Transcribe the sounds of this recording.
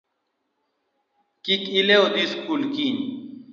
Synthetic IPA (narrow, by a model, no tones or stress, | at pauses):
kikileod̪iskulkin